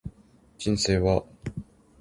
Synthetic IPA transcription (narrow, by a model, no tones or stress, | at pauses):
d͡ʑĩnseːβa